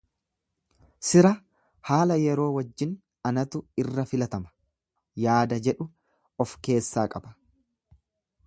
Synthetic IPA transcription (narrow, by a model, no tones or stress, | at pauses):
sɪɾɐ | haːlɐjɛɾo̞ːwɐd͡ʒːɪn | ɐnɐt̪ʊɪrːɐfɪlɐt̪ɐmɐ̥ | jaːd̪ɐd͡ʒɛᶑʊ | ɔfke̞ːsːaːkʼɐbɐ̥